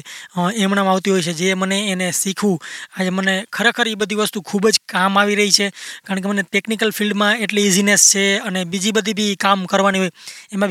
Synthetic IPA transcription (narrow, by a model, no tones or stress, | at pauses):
emɳãmaʋt̪iɦojt͡ʃʰed͡ʒeməneːnesikʰʋũad͡ʒemənekʰəɾekʰəɾibəd̪ʱiʋəst̪ũkʰubd͡ʒkamaʋiɾəɦit͡ʃʰekaɾəɳk̬eməneʈeknikəlfilɖmãeʈliːzinest͡ʃʰeənebid͡ʒibəd̪ʱibʱikamkəɾʋaniɦojemã